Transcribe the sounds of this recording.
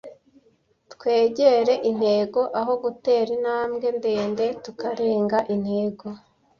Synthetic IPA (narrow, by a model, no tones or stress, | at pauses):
tkwe̞ːɟe̞ɾe̞ʔin̥he̞ɡo̞ʔaɦo̞ɡute̞ːɾinaːmɡe̞nde̞ːnde̞tukaɾe̞ːŋɡaʔin̥heːɡo